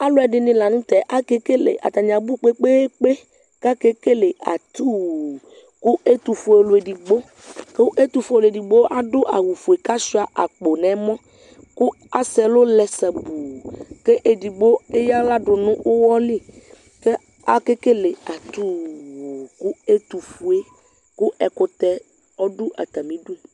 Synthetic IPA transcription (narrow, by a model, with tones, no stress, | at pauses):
a˦lo˦ɛ˨ɖɪ˨nĩ˨la˨nũ˦t̪ɛ˨ʔa˦ke˦ke˦lḛ˨ʔa̰˨t̪a˨ɲã˨bu˦k͡pe˦k͡pe˦k͡pe˦ | ka˦ke˦ke˦le˨a̰˨t̪u˦˨ | ku˦e˦t̪u˨fo˨e˨lo˨e˨di˨ɡ͡bo˦ | ke˦ʔe˦t̪u˨fo˨˦e˨lo˨e˨di˨ɡ͡bo˦ʔa˦ɖo˦ʔa˨wu˨fo˨e˨ka˦si˦a˨ʔa˨k͡po˨nɛ̃˨˦mɔ̃˦ | ku˦ | a˦sɛ˨lo˦lɛ˨sɛ˨bu˨ke˦ʔe˨di˨ɡ͡bo˦e˦ja˦la˦ɖʊ˨nʊ̃˦o˦wɔ˦li˦˨ | ke˦ | a˦ke˦ke˦le˨a˨t̪u˦˨ | ku˦e˦t̪u˨fu˨e˦ | ku˦ʔɛ˨ko˨t̪ɛ˦ | ɔ˦ɖu˦ʔa̰˨t̪a˨mĩ˦ɖu˦e˦˨